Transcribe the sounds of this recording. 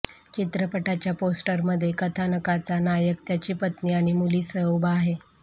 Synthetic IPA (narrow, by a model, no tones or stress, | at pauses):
t͡ɕit̪ɾəpəʈat͡ɕjaposʈəɾməd̪ʱːjekət̪ʰanəkat͡sanajək̚t̪jat͡ɕiːpət̪niːaɽ̃imuliːsəubaːɦe